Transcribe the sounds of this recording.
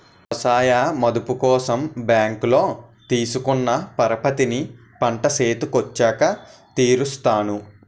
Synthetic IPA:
ɐsaːjamɐd̪upukɔːsɐmbjaːŋklo̞ːt̪iːsukunːɐpɐɾɐpɐt̪ini | pɐɳʈɐseːt̪ukot͡ʃːaːkɐt̪iːɾust̪aːnu

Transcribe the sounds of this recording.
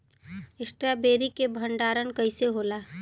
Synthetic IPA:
ɪsʈɾabeːɾikebʱə̃ɳɖaːɾənkəɪseɦoːlaː

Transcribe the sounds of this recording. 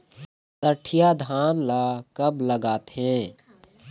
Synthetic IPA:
t̪əʈʰijad̪ʱaːnlaːkɐbləɡaːt̪ɦɛ̃ː

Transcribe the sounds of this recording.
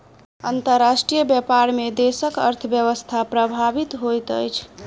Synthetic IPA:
ə̰nt̪əɾːasʈɾijəbjəpaɾmed̪esəkə̰ɾt̪ʰəbjəʋəst̪ʰapɾəbʱabit̪ɦojt̪ə̰jt͡ʃʰ

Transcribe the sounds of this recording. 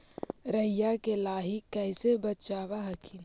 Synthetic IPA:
ɾəjakelaːɦɪkːɛɪsebət͡ʃaːʋaɦəkʰi

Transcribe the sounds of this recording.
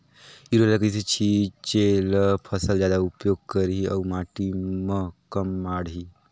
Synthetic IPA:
iɾolakəiset͡ɕʰit͡ʃeləpʰəsəld͡ʒjad̪aupjoːɡ̚kəɾiɐwmaʈiməkəmːaɽɦi

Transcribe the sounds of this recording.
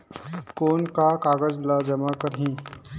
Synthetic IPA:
koːnkakaːɡəd͡ʒlad͡ʒəmakəɾɦĩː

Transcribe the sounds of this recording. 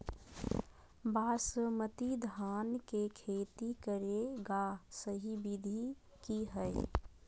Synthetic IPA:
baːɾsəmət̪id̪ʱaːnkekʰeːt̪ikəɾeɡasəɦibid̪ʱi | kiɦəe

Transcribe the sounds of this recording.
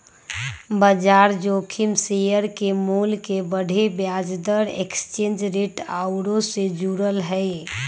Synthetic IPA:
bəd͡ʒaɾd͡ʒokʰimsejəɾkemulkebəɖʱebjad͡ʒd̪əɾekst͡ʃend͡ʒɾeʈaʊɾõsed͡ʒuɾəlɦəɪ

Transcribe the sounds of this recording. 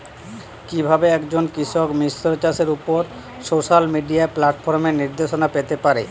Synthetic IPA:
kibʱabeɛkd͡ʑonkɾiʃokmisɾot͡ɕaʃeɾupoɾ | soʃalmiɖiaeplaʈfoɾmeɾniɾd̪eʃonapet̪epaɾe

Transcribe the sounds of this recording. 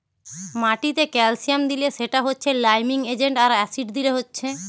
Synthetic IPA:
maʈit̪ekɛlsijamd̪ileʃeʈaɦotːɕʰelajmiŋed͡ʑeɳʈaɾɛsiɖd̪iɾeɦotːɕʰe

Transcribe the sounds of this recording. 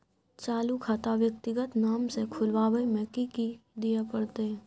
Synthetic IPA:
t͡ʃaːlukʰaːt̪aʋjək̚t̪ɪɡət̪naːmsekʰʊlwaːʋəjmɛːkikid̪ijapɐɽt̪eɦɛ̃ː

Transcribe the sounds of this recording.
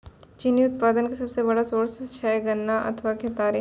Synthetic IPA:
t͡ʃiniʊt̪̚paːd̪ənkesɐbsebɐɽasoːɾsɪt͡ʃʰaeɡɐnːaʔɐ̰t̪ʰʋaːket̪aːɾi

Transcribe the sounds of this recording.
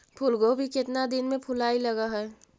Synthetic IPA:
pʰʊlɡobʱikɪt̪nad̪ɪnmẽpʰʊlaːilɐɡaɦɛː

